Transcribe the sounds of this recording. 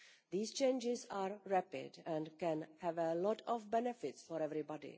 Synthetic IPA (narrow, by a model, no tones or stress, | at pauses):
ðiːst͡ʃẽɪnd͡ʒɪzaːɾɹæpɪ̰dɛ̃nkɛ̃nhɛvəlɔtʰɔfbɛnɛfɪtsfɔɾɛvɾibɔdḭ